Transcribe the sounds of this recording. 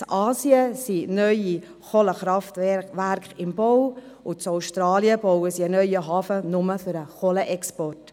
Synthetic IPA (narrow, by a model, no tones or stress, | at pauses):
t͡sʔɑːsiəsinœʏi | χoləχɾɑftʋæɾkχɪmb̥ɔw | ʊt͡sɔʊʃtɾɑːliəb̥ɔwəsiənœʏəɦɑːfənʊməfʏɾəχoləʔɛkspɔrt